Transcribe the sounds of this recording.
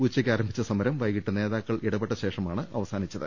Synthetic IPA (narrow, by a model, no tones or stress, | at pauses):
ut͡ɕːɐkʲːaːɾɐmbʱit͡ɕːɐsɐmɐɾɐmʋɐjɣiʈːune̞ːðaːkːɐɭʔiɽɐbeʈːɐɕe̞ːʂɐmaːɳɨʔɐ̰ʋɐsaːnit͡ɕːɐðɨ̰